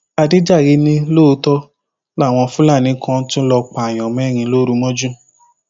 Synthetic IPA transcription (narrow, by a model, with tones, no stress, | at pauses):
a˧di˦d͡ʒa˦˨ɾi˨˧˦nĩ˧lo˦o˧˦tɔ˦ | la˦˨w̃ɔ̃˧fũ˦la˦˨nĩ˨˦kʰɔ̃˦˧˦tũ˦lɔ˧k͡pa˨j̃ɔ̃˨mɛ̃˨˦˨ɾ̃ĩ˧lo˦ɾu˧˦mɔ̃˦d͡ʒu˦